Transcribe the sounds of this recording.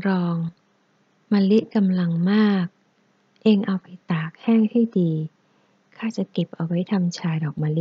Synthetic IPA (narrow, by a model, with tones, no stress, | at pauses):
ɾɔː˧ŋ | maː˧li˦˥ʔka˧mla˧ŋmaː˥˩k̚ | ʔeː˧ŋʔa˧wpa˧jt̪aː˨˩k̚hɛː˥˩ŋha˥˩jdiː˧ | kʰaː˥˩t͡ɕa˨˩ke˨˩p̚ʔa˧wa˦˥jt̪ʰa˧mt͡ɕʰaː˧jdɔː˨˩k̚maː˧li˦˥